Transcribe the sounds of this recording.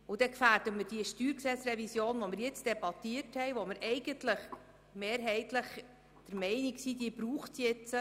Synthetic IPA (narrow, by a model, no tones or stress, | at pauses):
ud̥̪ɛkfæːɾdəmɪɾd̥iəʃtyːɾksɛt͡srɛvisjoːnvɔmɪɾjɪt͡sd̥ɛbɑt̪iəthɛjʋoməɾʔɛɪɡ̥əntləχ | meːɾɦɛɪt̪ləχ | d̥̪əɾmɛɪniksiːd̥iːb̥ɾuːχtjɛt͡sə